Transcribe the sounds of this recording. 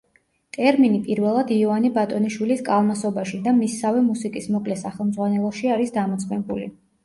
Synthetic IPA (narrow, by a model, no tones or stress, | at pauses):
t̪ʼɛɾminipʼiɾvɛlˠad̪iɔvanibat̪ʼɔniʃwiliskʼalˠmasɔbaʃid̪amisːavɛmusikʼismɔkʼlɛsaχɛlˠmd̪zʁwanɛlˠɔʃiaɾisd̪amɔt̪sʰʼkɛmbulḭ